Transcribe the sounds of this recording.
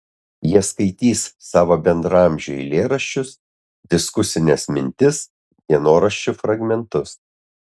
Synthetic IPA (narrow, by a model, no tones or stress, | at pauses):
jiɛskɐɪt̪ʲiːsːɑːʋoːbʲɛnd̪ɾɑˑmʲʒʲʊḭlʲeːɾɐʃʲt͡ʃʲʊs | d̪ʲɪskʊsʲɪnʲesmʲɪnʲt̪ʲɪs | d̪ʲiɛnoːɾɐʃʲt͡ʃʲʊfɾɐɡmʲɛnt̪ʊs